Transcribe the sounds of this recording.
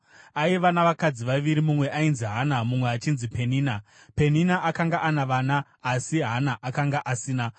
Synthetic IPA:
aiʋanaʋakad͡ziʋaʋiɾimumwe̞ʔainziɦanamumweat͡ʃinzipe̞niːna | pe̞ninaʔakaŋɡaʔanaʋaːnaː | siɦanaʔakaŋɡaʔasiːna

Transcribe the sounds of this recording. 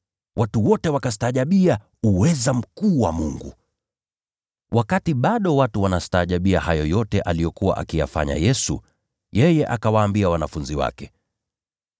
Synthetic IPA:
wʔatuwɔtɛwakastaːʄaɓia | uwɛzam̩kuːwa̰muŋɡṵ | wʔakatiɓaɗɔwatuwanastaːʄaɓiahajɔjɔtɛʔalijɔkuwa̰ʔa̰kija̰fa̰ɲa̰jɛsṵ | jɛjɛʔakawaːmbiawanafunziwa̰kɛ

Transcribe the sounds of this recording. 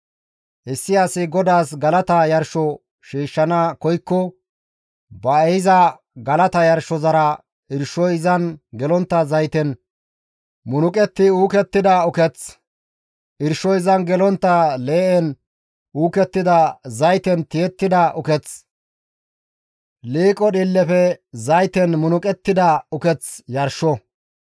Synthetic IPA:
ʔɪsːɪjasɪɡɔd̪aːsɡɐlɐt̪ɐjɐɾʃɔ | ʃiːʃːɐnɐkɔjkːɔ | bɐɛjɪzɐ | ɡɐlɐt̪ɐjɐɾʃɔzɐɾɐ | ɪɾʃɔjɪzɐnɡɛlɔnt̪ːɐzɐjt̪ɛn | mʊnʊkʼɛt̪ːɪuːkɛt̪ːɪd̪ɐʊkɛt͡s | ɪɾʃɔjɪzɐnɡɛlɔnt̪ːɐle̞ːʔɛn | uːkɛt̪ːɪd̪ɐzɐjt̪ɛnt̪ɪjɛt̪ːɪd̪ɐʔʊkɛt͡s | liːkʼɔɗɪlːɛfɛzɐjt̪ɛnmʊnʊkʼɛt̪ːɪd̪ɐʊkɛt͡sjɐɾʃɔ

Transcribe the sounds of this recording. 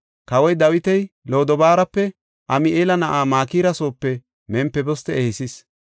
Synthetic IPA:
kɐwɔjd̪ɐwɪt̪ɛjlo̞ːd̪ɔbaːɾɐpːɛ | ʔɐmɪʔeːlɐnɐʔaːmaːkiːɾɐso̞ːpːɛ | mɛmpːɛbɔst̪ɛehɪsis

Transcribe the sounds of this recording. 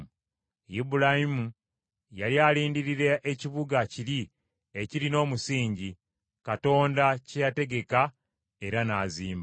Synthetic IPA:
jibuɾahimu | jalialiːndiɾiɾeʔːciβuɡaciɾi | e̞ciɾino̞ːmusiːɲɟi | kato̞ːndacejate̞ɡe̞ka | e̞ɾanaːziːmb

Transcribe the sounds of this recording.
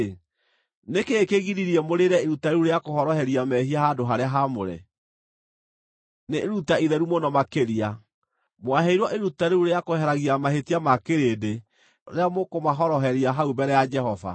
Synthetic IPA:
nekeːkeɣiɾiɾiɛmoɾeɾɛeɾutaeuɾeakoɦɔɾɔhɛɾiamɛhiahadoɦaɾeaɦamoɾɛ̰ | neɾutaiðɛɾumonɔmakeɾia | mwaɦɛiɾwɔʔeɾutaɾeuɾeakohɛɾaɣiamahetiamakeɾede | ɾeamokomaɦɔɾɔɦɛɾiaɦaubɛɾɛjad͡ʒɛɦɔva̰

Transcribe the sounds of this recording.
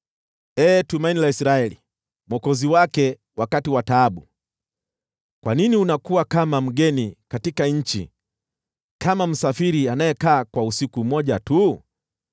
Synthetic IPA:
ɛːtumainilaisɾaɛlḭ | mwɔkɔziwakɛ | wakatiwataːɓu | kwaniniunakuwakamam̩ɠɛnikatikaɲ̩t͡ʃḭ | kʰamam̩safiɾianajɛkaːkwausikumɔʄatu

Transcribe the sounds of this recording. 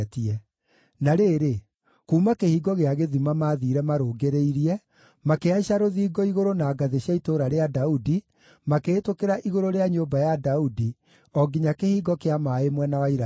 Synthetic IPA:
tiɛ | naɾeːɾe | kuːmakehiːɡɔɣeaɣeðimamaːðiːɾɛmaɾoːɡeɾeiɾiɛ | makeaɕaɾoðiːɡɔiɣoɾonaːɡaðeɕjaitoːɾaɾeadaudi | makeːtokeɾaʔiɣoɾoɾeaɲoːbajadaudi | ɔɡiɲakehiːɡɔkeamaːemwɛnawaiɾa

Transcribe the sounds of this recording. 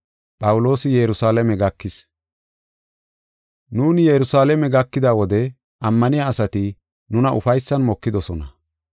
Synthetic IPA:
pʼɐwʊlo̞ːsɪjɛɾʊsaːlɐmɛɡɐkːɪs | nuːnjɛɾʊsaːlɛmɛɡɐkːɪd̪awɔd̪ɛ | ʔɐmːɐnɪjaːsɐt̪ɪ | nʊnɐʔʊfɐjsːɐnmɔkːɪd̪ɔsɔnɐ

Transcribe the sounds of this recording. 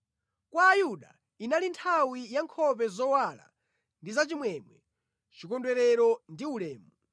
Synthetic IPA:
kwaːjuɗa̰ | inalintʰawijaŋkʰɔp̬ɛzɔwala̰ | ndizat͡ʃimwɛmwɛ | t͡ʃikɔndwɛɾɛɾɔndiulɛːmu

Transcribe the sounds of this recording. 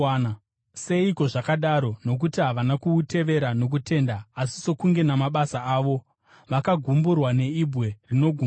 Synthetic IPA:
se̞iko̞ʐakaɗaɾo̞no̞k̬utiɦaʋanakuːtʰe̞ʋe̞ɾano̞k̬ute̞ːndaːsi̥so̞kuŋɡe̞namaɓasaaːʋo̞ | ʋakaɡʱumburwane̞ibʱwe̞rino̞ɡʱu

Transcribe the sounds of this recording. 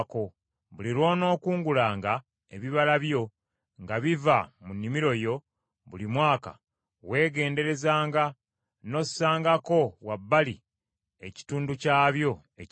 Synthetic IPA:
ko̞ | βuliɾwo̞ːno̞ːkuːŋɡulaːŋɡa | eβiβalaβjo̞ | ŋɡaβivamunːimiɾo̞jo̞ | βulimwaːka̰ | we̞ːɡe̞ːnde̞ɾe̞zaːŋɡa | no̞ssaːŋɡako̞wabːali | e̞ci̥tuːnducaːβjo̞ | e

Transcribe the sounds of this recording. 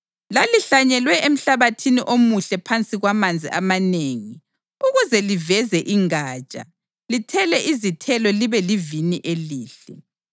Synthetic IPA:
laliɬaɲɛlwɛʔem̩ɬaβatʰiniʔomuɬɛpʰant͡sʼiɣwamand͡zʱḭʔamaneːŋi | uɣuzɛlivɛzɛʔiŋaːt͡ʃʼa̰ | litʰɛlɛʔizitʰɛlɔliβɛliviniʔeliːɬɛ

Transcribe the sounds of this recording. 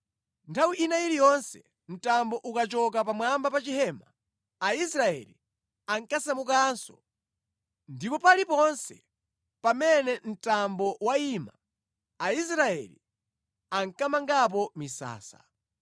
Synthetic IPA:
ntʰawiʔinailijɔnsɛ | n̩tambɔʔukat͡ʃɔk̬ap̬amwambapat͡ʃiɦɛːmaː | isɾaɛ̰li | aŋkasamuk̬ansɔ̰ | ndipɔpalipɔnsɛ | pamɛnɛn̩tambɔwaima | ais̬ɾaɛ̰lḭ | aŋkamaŋɡap̬ɔmisa̰ːsa̰

